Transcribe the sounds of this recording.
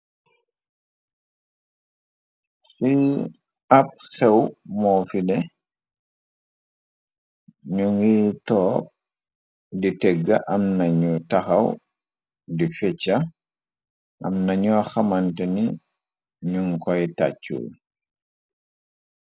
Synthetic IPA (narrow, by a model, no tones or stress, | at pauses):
xi | ap̚xɛwmɔːfinɛ | ɲuŋɡitɔːp̚ | ditɛɡːa̰ʔɐmnaɲutaxɐw | difɛt͡ʃːa | ʔɐ̰mnaɲɔxɐmantɛni | ɲuŋkɔjta̰t͡ʃːṵl